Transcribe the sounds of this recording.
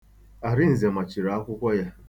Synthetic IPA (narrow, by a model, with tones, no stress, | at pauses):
a˨ɾɪ˦n̩˨ze˨ma˨t͡ʃi˨ɾa˨a˦kʷʊ˦kʷɔ˦ja˦